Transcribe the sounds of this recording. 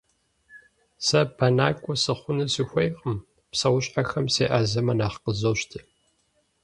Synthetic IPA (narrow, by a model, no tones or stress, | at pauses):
sɐbʰɐnaːkʷʼɔsɨχʷʊnɨsɨxʷɐjqəm | psɐwʊɕʼħaxɐmseːʔazɐmɐnaːχqəzoːʃtʰɨ